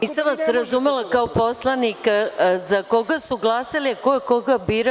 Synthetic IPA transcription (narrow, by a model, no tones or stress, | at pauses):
isamʋasɾazumelˠakaopo̞slˠanikazako̞ɡasuɡlˠaːsaliakoekoɡabiːɾa